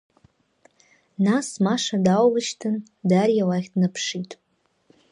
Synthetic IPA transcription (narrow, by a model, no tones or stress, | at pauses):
nasmaʂadawlɨʃtʰɨn | darjawaχʲdnɨpʰʂitʼ